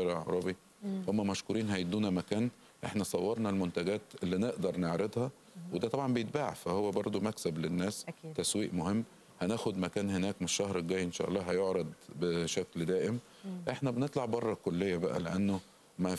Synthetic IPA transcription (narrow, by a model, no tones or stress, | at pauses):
ɑɾʕʕɑ̰ɾˤɑbi | homːæmæʃkuɾiːnɦæjed̪ːuːnæmækæːn | ʔḛħnæsˤɑwːɑɾˤnɑlmont̪æɡæːt̪ʔelːineʔd̪ɑɾˤneʕɾed̪hɑ | wed̪æːt̪ˤɑbʕɑmbejet̪̚baːʕfæhowːæbɑɾˤd̪ˤomæksæblenːæːst̪ːæswiːʔmohemː | hænæːxod̪mækæːnhenæːkmnʃːɑhɾɡæːjːenʃæ̰ʔɑlːɑːɦæjoʕɾɑd̪̚beʃækld̪æːʔem | ʔeħnæbenet̪ˤlɑʕbɑrˤːɑkolːejːæbæʔæ̰leʔænːo | mæ